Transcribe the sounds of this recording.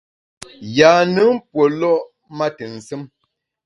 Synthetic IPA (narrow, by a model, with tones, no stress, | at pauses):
jaː˨nɨ˨˦m̩˦pwo˨lɔ˦ʔ | ma˦tə˨n̩˨sɨ˦m